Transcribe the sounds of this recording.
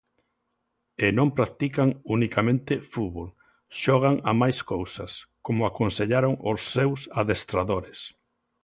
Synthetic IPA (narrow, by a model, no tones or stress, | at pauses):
enõmpɾak̚t̪ikaŋunikamẽnt̪ɪfuβol | ʃɔɣ̞aŋamajskowsɐskomʊakonseʎaɾoŋosːewsaðest̪ɾaðoɾes